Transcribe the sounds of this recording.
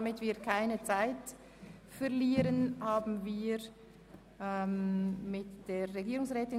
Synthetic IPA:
mɪtv̥iːɐkʰaɪnət͡saɪt | fɛɐʁliːɾənhaːbn̩viːɾ | ɛmmɪtd̥eːʁeɡiːɾʊŋsʁɛːtɪ

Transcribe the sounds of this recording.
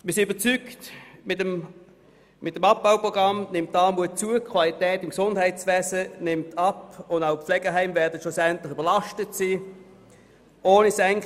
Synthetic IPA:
mɪɐsinybət͡syktmɪtəm | mɪtəmɑp̚baʊpʁoɡ̥ʁɑmnɪmtːɑːmuət͡suəkʰvalitɛːtɪmksʊnd̥hæɪtsvɛːzənɪmtʰɑpʊndaʊflɛɡ̥əɦæɪmvɛɐdətʃlusɛntlɪχybɐlɑʃtətsiː | ʔoːnisɛŋ

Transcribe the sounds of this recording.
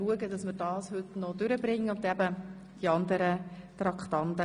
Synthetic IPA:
luəɡədɑsməɾd̥ɑːshɵtnɔd̪ʏɾəbɾɪŋːəʊnt̪æbə | d̥iɑnd̪əɾət̪ɾɑkχt̪ɑnt̪ə

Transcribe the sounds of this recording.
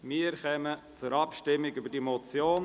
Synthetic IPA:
miəɾχɛmə | t͡sʊɾɑpʃtɪmːɪɡybədimot͡sjoːn

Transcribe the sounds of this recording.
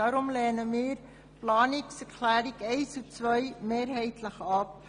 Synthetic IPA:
ɑːɾɔmlɛːnəmiːr | plɑːniksərkʰlæːdikɛjsut͡sʋœjmeːrɦɛjtʰləχɐp̚

